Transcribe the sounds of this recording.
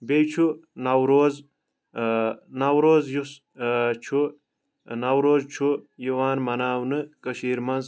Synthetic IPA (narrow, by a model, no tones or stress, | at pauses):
bejt͡ʃʰunɐwɾoːz | nɐwɾoːzjus | t͡ʃʰu | nɐwɾoːzt͡ʃʰujiwaːnmɐnaːwnɨkɐʃiːɾmɐnz